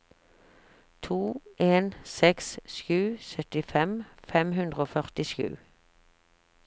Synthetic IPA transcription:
t̪ʰuːʔeːnsɛksʃjʉːsœt̪ɪfɛmfɛmhʉnd̪ʁoːfœʁt̪ɪʃjʉ̰ː

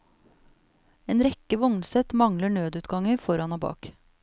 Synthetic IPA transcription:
eːnɾɛkəʋɔŋnsɛt̪mɑŋləɳøːd̪ʉːt̪ɡɑŋəfɔɾɑnhoːbɑ̰ːk

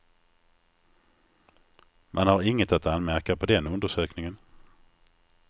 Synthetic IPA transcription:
mʔanhaɾɪŋːət̪at̪anːmæɾkapʰɔd̪ɛnɵnd̪əʂøːknɪŋən

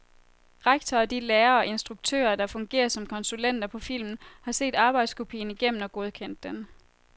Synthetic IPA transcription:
ʁäɡ̥̚t͡sʰɒːd̥ileːɐɒ̽ʔe̝nsd̥ʁuɡ̥̚t͡sʰø̰ːɐd̥ɑ̈fɔ̽ŋɡ̥e̝̰ːɐsɒ̽mkʰɒ̽nsulen̰d̥ɐpʰɒ̽fil̰mn̩hɑ̈se̝̰ːd̥ɑ̈ːb̥ɑ̈ɪd̥skʰo̝pʰḭːn̩iɡ̥em̰n̩ɒ̽ɡ̥o̝ð̞ˠkʰen̰d̥ːen

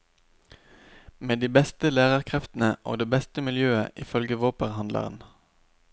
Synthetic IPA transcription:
meːd̪iːbɛst̪əlæːʁəʁkʰʁɛft̪n̩əʔo̰ːd̪eːbɛst̪əmɪljøːəʔiːfœlɡəʋoːpəʁhɑnd̪lə̰ʁə̰n

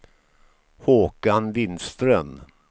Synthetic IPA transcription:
hoːkanvɪnst̪ɾœn

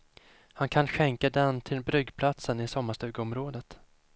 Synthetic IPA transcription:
hankʰanɧɛŋkad̪ɛnt̪ʰɪlbɾʏɡːpʰlat̪sənɪsɔmːaʂt̪ʉ̟ːɡəɔmɾoːd̪ət̪

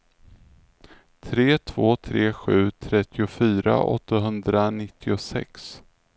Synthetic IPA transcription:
t̪ʰɾeːt̪ʰv̥oːt̪ʰɾeːɧʉ̟ːt̪ʰɾɛt̪ʰːɪʊfyːɾa̰ʔɔ̰t̪ːaɦɵnd̪ɾanɪt̪ʰːɪʊsɛ̰ks

